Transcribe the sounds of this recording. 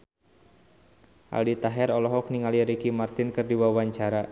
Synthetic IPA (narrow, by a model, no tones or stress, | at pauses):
ʔa̰ldit̪aɦɛrɔlɔɦɔk̚niŋaliɾikimart̪ɪnkɨrdiwawaɲt͡ʃaɾa